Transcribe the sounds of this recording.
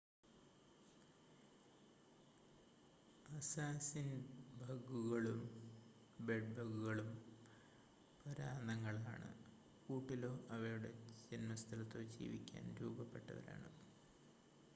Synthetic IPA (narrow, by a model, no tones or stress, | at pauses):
ɐsaːsinbʱɐɡuɣɐɭum | beɖ̚bʱɐɡuɣɐɭum | pɐɾaːnɐŋːɐɭaːɳɨ̰ | kuːʈːilo̞ːʔɐʋɐɾuɽe̞d͡ʑenmɐst̪ʰɐlɐt̪ːoːd͡ʑḭːʋikʲːa̰ːnɾuːbɐpːe̞ʈːɐʋɐ̰ɾa̰ːɳɨ̰